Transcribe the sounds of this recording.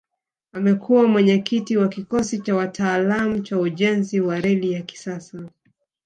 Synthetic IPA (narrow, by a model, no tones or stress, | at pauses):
amɛkʰuwamwɛɲɛkitiwakikɔsit͡ʃawatʰaːlamut͡ʃauʄɛnziwaɾɛlijaki̥sasa